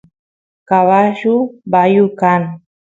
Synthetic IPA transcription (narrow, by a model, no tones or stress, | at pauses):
kaβaʃubajʊkaŋ